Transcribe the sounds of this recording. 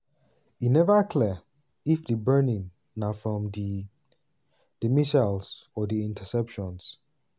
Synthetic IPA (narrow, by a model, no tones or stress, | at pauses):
inɛvəkʰlɛ | ifdəbɜnĩŋ | nafɹɔ̃mdi | d̥əmiʃals | ɔdiĩntʰəsɛpʃɔ̃ns